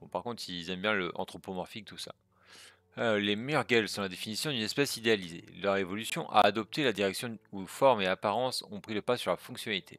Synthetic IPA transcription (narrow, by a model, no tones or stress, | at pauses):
b̥ɔ̃paʁkɔ̃t̪χilzɛmbjɛ̃ləʔɑ̰̃t̪χopomɔʁfik̚t̪usa̰ | lemɛjœʁɡɛlsɔ̃lad̪efinisjɔ̃d̪ynɛspɛsid̪ealizḛlœʁevɔlysjɔ̰̃ʔa̰ʔːd̪ɔp̚t̪elad̪iʁɛksjɔ̃ufɔʁmeapaʁɑ̃sɔ̃pχiləpasyʁlafɔ̃ksjɔnalit̪ʰḛ